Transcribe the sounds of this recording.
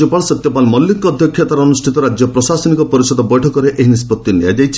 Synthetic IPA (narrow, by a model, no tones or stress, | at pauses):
ɔpaɭɔsɔt̪jɔpalmɔlːikɔːd̪ʱjɔkʰːjat̪aɾɔnusʈʰit̪ɔɾad͡ʒjɔpɾɔsasɔnikɔpɔɾisɔd̪ɔbɔjʈʰɔkɔɾeʔeɦinispɔt̪ːinijad͡ʒajt͡ʃʰi̥